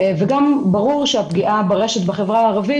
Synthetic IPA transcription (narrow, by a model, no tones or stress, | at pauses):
veɡambaʁuʁʃeapɡiʔabeʁeʃet̪baχe̞vʁaaːʁavi